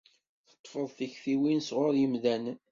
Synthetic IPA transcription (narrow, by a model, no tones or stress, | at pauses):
θə̥t̪ˤːfəðˤθiçfiwinsʁʊɾjəmðæn